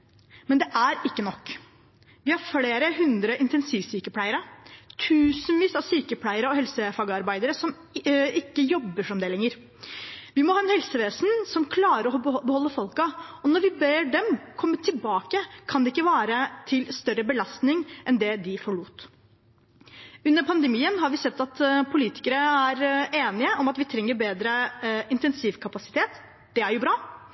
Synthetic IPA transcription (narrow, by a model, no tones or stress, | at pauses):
mɛnd̪ɛʔæɾɪkːənɔkː | ʋɪhɑɾfleːɾəɦʉnd̪ɾəʔɪnt̪ɛnsiːʋsyːkəpʰlæɪəɾət̪ʰʉːsənʋiːsɑʋsyːkəpʰlæɪəɾəɔhɛlsəfɑːɡəɑɾbæɪd̪əɾəsɔm | ɪkːəjɔbːəʂɔmd̪ɛːlɛŋːəɾ | ʋɪmɔhɑːɛnhɛlsəʋeːsənsɔmkʰlɑːɾəɾɔɔbəhɔlːəfɔlkɑɔnɔɾʋɪbeːɖɛmkʰɔmːət̪ʰɪlbɑːkəkʰɑnd̪ɛɪkːəʋɑːɾət̪ʰɪlst̪œrəbəlɑst̪nɪŋʔɛnd̪ɛd̪ɪfɔɭuːt̪ | ʉnːəɾpʰɑnd̪əmiːənɦɑɾʋɪsɛt̪ːɑt̪pʰʊliːt̪ɪ̥kəɾəæɾeːnɪəʔɔmɑt̪ʋɪt̪ʰɾɛŋːəɾbeːd̪ɾəɪnt̪ɛnsiːʋkʰɑpɑsɪ̥t̪ʰeːt̪ | d̪̥ɛæɾjʊbɾɑː